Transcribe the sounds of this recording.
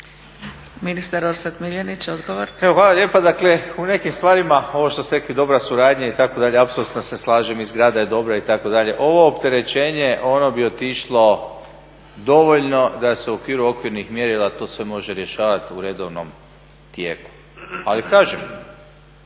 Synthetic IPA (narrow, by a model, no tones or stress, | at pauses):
minist̪aɾoɾsat̪miljanit͡ɕod̪ɡoʋoɾeʋoxʋaːlalje̞ːpad̪akle̞une̞kimst̪ʋaːɾimao̞ʋo̞ʃt̪o̞st̪eɾe̞klid̪o̞bɾasuɾaːd̪ɲait̪akod̪aʎeapsolut̪noseslˠaːʒemizɡɾaːd̪ajed̪o̞bɾait̪ako̞d̪aʎe̞̰ʔo̞ʋo̞ːpt̪e̞ɾe̞t͡ʃe̞ːɲe̞ʔo̞no̞bio̞t̪iʃlˠo̞ | d̪o̞ʋo̞ʎno̞d̪aseuokʋiːɾuo̞kʋiɾnixmjeɾilat̪o̞ːsʋe̞mo̞ʒeɾje̞ʃaːʋat̪uɾe̞d̪oʋnom | t̪jḛːku̥ | alikaːʒem